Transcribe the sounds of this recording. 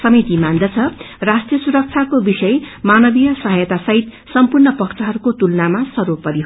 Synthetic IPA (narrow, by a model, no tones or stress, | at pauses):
sʌmit̪imand̪ʌt͡sʰʌ | rasʈrijʌsuɾʌk̚t͡sʰakobisʌjmanʌbijʌsʌɦʌjʌt̪asʌɦit̪ | sʌmpurnʌpʌkt͡sʰʌɦʌɾukot̪ulnamasʌɾupːʌɾiɦ